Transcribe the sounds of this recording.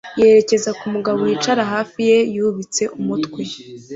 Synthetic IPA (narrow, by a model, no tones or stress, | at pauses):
je̞ɾe̞ce̞zakumuɡaβowiːt͡ʃaɾaɦaːfije̞juβit͡se̞ʔumutkwe